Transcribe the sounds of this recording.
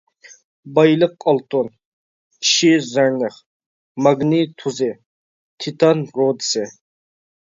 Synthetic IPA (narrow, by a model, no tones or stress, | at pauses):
bɑjlɨqːɑlˠt̪ʰʼonʰ | i̥ʃizaɾnɨχ | maɡnit̪ʰuzɪ | t̪ʰit̪ʰɑnɾod̪isɪ